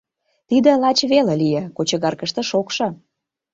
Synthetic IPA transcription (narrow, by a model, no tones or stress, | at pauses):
t̪id̪ə̆lɑt͡ɕβelelijĕkot͡ɕə̆ɣɑrkə̆ʃt̪ə̆ʃokʃɤ̆